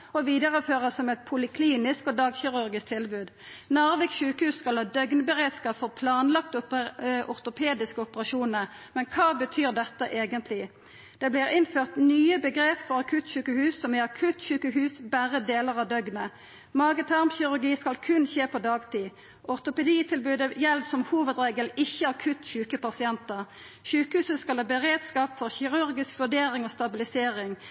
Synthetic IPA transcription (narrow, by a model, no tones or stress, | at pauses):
ɔʋiːd̪əʁəføːʁəsɔmɛt̪̚pʰʊlɪkʰliːnɪskɔd̪ɑːɡçɪʁʉɾɡɪsk̚t̪ʰɪlbʉːd̪ | nɑːʁʋɛɡsɕʉːkəhʉːsskɑlhɑːd̪œɡnəbəʁeːd̪skɑːpfɔʁpʰlɑːnlɑkt̪ʔʊʁt̪ʊpʰeːd̪ɪskəɔpəʁɑʃuːnəʁmɛnkʰɑːbət̪ʰyːʁd̪ɛt̪ːəʔeːɡənt̪ʰlɪ | d̪̥ɛːblɪːʁɪnføːʁt̪nyːəbəɡʁeːpfɔʁɑkʰʉt̪çʉːkəhʉːsːɔmɛɑkʰʉt̪çʉːkəɦʉːsbæʁəd̪eːləʁɑd̪œɡnə | mɑːɡət̪ʰæʁmçɪɾʉʁɡiːskɑlkʰʉnçeːpɔd̪ɑːɡt̪ʰiː | ʔɔʁt̪ʊpɛd̪iːt̪ʰɪlbʉːd̪əjɛld̪sɔmhuːʋəd̪ʁeːɡəlɪçːəɑkʰʉt̪çʉːkəpɑsɪɛnt̪əʁ | çʉːkəhʉːsəskɑlɑːbəʁeːd̪skɑːpfɔʁçɪʁʉɾɡɪskʋʉɖeːʁɪŋoːst̪ɑbɪlɪseːɾɪŋ